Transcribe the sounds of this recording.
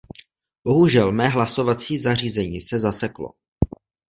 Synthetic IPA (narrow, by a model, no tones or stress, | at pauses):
b̥o̞ɦuʒɛlmɛːɦlaso̞vat͡siːzar̝iːzɛɲiːsɛzasɛklo̰